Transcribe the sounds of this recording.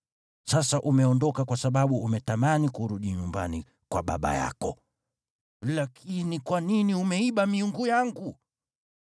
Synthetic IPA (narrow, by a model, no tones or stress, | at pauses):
sasaʔumɛɔndɔkakwasaɓaɓuːmɛtamanikuɾuɗiɲumba̰ni | kwaɓa̰ɓa̰ja̰kɔ | lakʰinikwaniniumɛiɓamiuŋɡujaŋɡu